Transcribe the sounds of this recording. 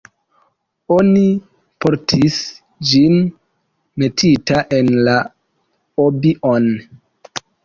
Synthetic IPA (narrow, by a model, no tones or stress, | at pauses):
o̞ni | po̞ɾtʰis | d͡ʒin | me̞tʰitaʔe̞nla | obiʔon